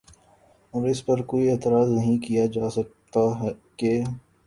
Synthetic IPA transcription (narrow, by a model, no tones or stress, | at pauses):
ɔːɾɪspɐɾkoːieːt̪ɪɾaːznɐɦĩkijad͡ʒaːsɐk̚t̪aɦɛkeː